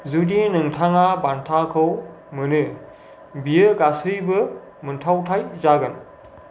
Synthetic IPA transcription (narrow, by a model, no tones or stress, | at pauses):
zudinɯŋtʰaŋabantʰakʰɯw | mɯnɯ | bijɯɡasɯjbɯ | mɯntʰawtʰajzaɡɯn